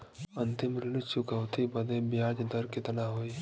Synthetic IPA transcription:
ənt̪ɪmɾɪlɪt͡ʃʊkəwt̪ʰibəd̪ebjaːd͡ʒd̪əɾkɪt̪naɦoːiː

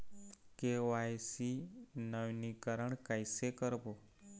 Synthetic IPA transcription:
keʋajsinəʋnikəɾəɳkajsekəɾbo

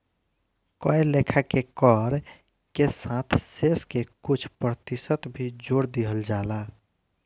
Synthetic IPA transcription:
kɔelekʰakekɔɾ | kesãt̪ʰseskekut͡ʃʰpɾət̪isət̪bʱid͡ʒoɽd̪iɦəld͡ʒaːla

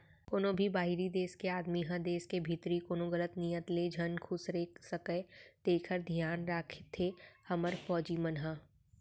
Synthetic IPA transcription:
koːnõbʱibaːɦiɾid̪eːskeaːd̪miɦə̃d̪eːskebʱit̪ɾikoːnoɣələt̪niːjət̪led͡ʒʱɐnkʰʊsɾeːkʰsəkəd̪̥eːkʰəɾd̪ʱjaːnɾaːkʰt̪ʰːehɐməɾfɔːd͡ʒimənɦaː

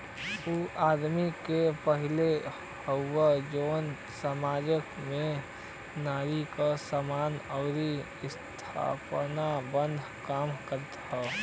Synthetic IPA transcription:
uʔaːd̪mikepəɦɪle | həʊwad͡ʒoːn | səmaːd͡ʒəkmẽ | naːɾikasamaːnəɾi | ɪst̪ʰa̰ːpnabə̃nd̪ʱkaːmkəɾt̪ɦɛː

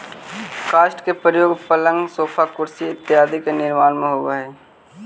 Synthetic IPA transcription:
kaːʃʈkepɾəjoːɡpələ̃ŋɡsoːpʰakʊɾsiɪt̪ːɪɦaːd̪ikenɪɾmaːnmẽɦoːɡaɦɛː

